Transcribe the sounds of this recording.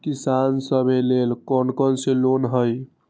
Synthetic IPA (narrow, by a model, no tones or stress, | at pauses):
kisansəbʱelelkɔnkənselonɦəj